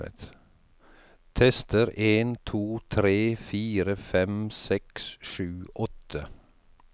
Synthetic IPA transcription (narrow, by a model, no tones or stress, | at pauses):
ə̰t̪ | t̪ʰɛst̪əɾeːnt̪ʰuːt̪ʰɾeːfiːɾəfɛmsɛksʃʉːʔɔt̪ə